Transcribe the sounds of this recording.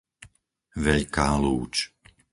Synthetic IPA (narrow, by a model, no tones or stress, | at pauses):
ʋɛʎkaːluːt͡ʃ